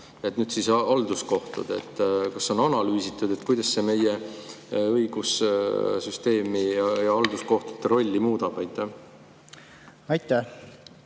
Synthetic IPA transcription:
e̞t̪ːnyːd̪sisɑld̪usko̞ht̪ṵd̪̥e̞̰t̪ˑːkɑso̞nɑnɑlyːsit̪ːˑud̪̥e̞t̪ˑkujd̪̥ɑsse̞me̞je | ɤjɡ̥ussyst̪e̞ːmiɑjɑɑld̪usko̞ht̪u̥t̪ːeɾo̞lʲːimuːd̪̥ɑb̥ɑjt̪ːˑæh | ɑjt̪ːˑæ

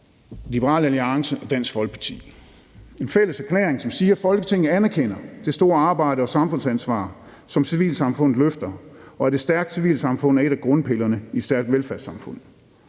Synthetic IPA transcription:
lib̥əʁɑ̰̈ːlæliɑ̈ŋsəʔɒd̥æn̰sɡ̥fɒ̽lɡ̥̚pʰɑ̈t͡sʰḭː | e̝nfel̰əsæɐkʰlḛːɐʁeŋsɒ̽msiːɐfɒ̽lɡ̥ət͡sʰe̝ŋ̰n̩ˠænæɐkʰen̰ɐd̥e̝sd̥o̝ːɐɑ̈ːb̥ɑ̈ɪ̰ɾəɒ̽sɑ̈mfɔ̽nsænsʋɑ̰̈ː | sɒ̽msiʋḭːlsɑ̈mfɔ̽n̰ð̩ˠløfd̥ɐɒ̽æɐd̥e̝sd̥æɐɡ̥̚d̥siʋḭːlsɑ̈mfɔ̽n̰ð̩æɐe̝ɾ̥æɡ̥ʁɔ̽nəpʰe̝lɐnəi̥sd̥æɐɡ̥̚d̥ʋelfæɐsɑ̈mfɔ̽n̰ð̩ˠ

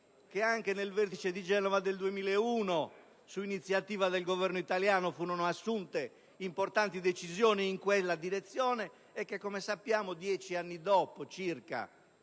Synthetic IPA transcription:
keaŋkenelvert̪it͡ʃed̪id͡ʒɛːnɔvad̪eld̪uemiːlɛuːno | suinit̪sːjat̪iːvad̪ɛlɡovɛrnoit̪aljaːnofuːnɔnoasːunt̪e | import̪ant̪id̪et͡ʃizjɔːniːŋkwelːad̪iɾet̪sːjɔːnɛː | kːekːɔmesapːjaːmod̪jɛːt͡ʃianːid̪ɔːpot͡ʃirka̰

